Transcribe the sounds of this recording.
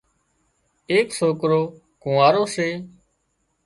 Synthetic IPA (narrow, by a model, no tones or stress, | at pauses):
eːksoːkɾoː | kũːaːɾoːseː